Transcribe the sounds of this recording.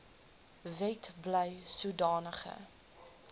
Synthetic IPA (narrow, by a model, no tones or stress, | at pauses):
vɛtbləjsudɑːnəχə̰